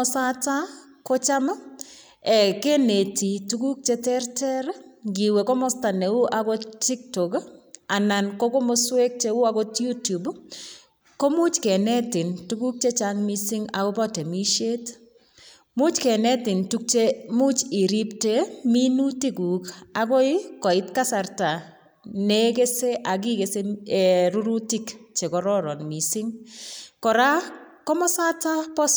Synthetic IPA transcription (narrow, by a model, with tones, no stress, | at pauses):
ɔsa˦ta˦ | kɔ˦t͡ʃa˦ma˦ | ɛ˨ke˦ne˨ti˨tu˦ɡu˦k̚t͡ʃe˦tɛ˦rtɛ˦ɾɡi˨we˨kɔ˦mɔ˦sta˨ne˨u˦ʔa˨ɡɔ˦ti˦ktɔ˨ka˨na˨nkɔ˦kɔ˦mɔ˦swe˦k̚t͡ʃe˦ʊ˦a˦ɡɔ˦tju˦tu˨b | ko˦mʊ˦t͡ʃke˨nɛ˦tɪ˨ntu˦ɡu˦k̚t͡ʃe˦t͡ʃa˦ŋmi˦sɪ˦ŋa˨ɡɔ˦bɔ˦te˨mi˦ʃe˦t | mʊ˦t͡ʃkɛ˨nɛ˦tɪ˨ntu˦k̚t͡ʃe˦mu˦t͡ʃi˨ɾi˦pte˦mi˦nu˦ti˦ɡu˨ka˨ɡɔ˦ɪ˦kɔ˨ɪ˦tka˦sa˨rta˨ | ne˦ɡe˦se˦ʔa˨ɡi˦ɡe˨se˦˨ɾu˦ɾu˦ti˦kt͡ʃe˨kɔ˨ɾɔ˦ɾɔ˨nmi˨sɪ˦ŋkɔ˨ɾa˦ | kɔ˦mɔ˦sa˦ta˦pɔ˦